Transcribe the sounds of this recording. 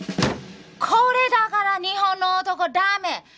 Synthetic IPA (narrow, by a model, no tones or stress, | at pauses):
kʰowɾed̪akaɾaniɦonɔt̪ɔkoɖame